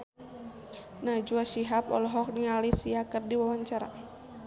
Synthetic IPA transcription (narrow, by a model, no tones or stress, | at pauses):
nad͡ʒuaʃiɦapɔ̰lɔɦɔk̚niŋalisiakɨrdiwawaɲt͡ʃaɾa̰